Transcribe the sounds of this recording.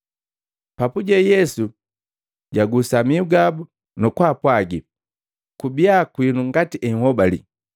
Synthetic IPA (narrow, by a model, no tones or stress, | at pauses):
papuɟɛjɛsu | ɟaɡusamiuɡabu | nɔkwaːpwaɡi | kubijakwinuŋɡatiʔɛŋ̩hɔbalḭ